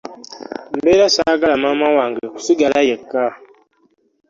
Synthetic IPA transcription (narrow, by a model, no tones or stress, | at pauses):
m̩beɾasaɡalamamawaŋɡəku̥suɡalajekːa